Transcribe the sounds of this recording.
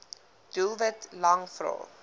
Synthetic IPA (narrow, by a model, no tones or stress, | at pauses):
d̥ulˠvətlɐŋfɾɔ̰ː